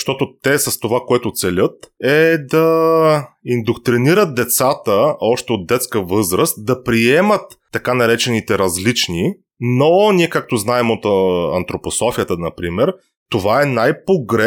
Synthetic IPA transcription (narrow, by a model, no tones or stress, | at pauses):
ʃt̪ɔt̪ot̪ɛsɐst̪ovakoɛt̪ʊt̪sɛlʲət̪ɛd̪ɐ | ind̪okt̪ɾiniɾət̪̚d̪ɛt̪sat̪əɔʃt̪ɛot̪̚d̪ɛt̪skəvɤzɾəst̪̚d̪ɐpɾiɛmət̪ːɐkanɐɾɛt͡ʃɛnit̪ɛɾɐzlit͡ʃni | noniɛkak̚t̪oznaɛmot̪ɐ̰nt̪ɾoposɔfijət̪ənɐpɾimɛɾ | t̪ovaɛnajpoɡɾɛ